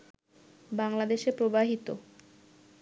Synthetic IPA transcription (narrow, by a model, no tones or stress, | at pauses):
baŋlad̪eʃepɾobaɦit̪o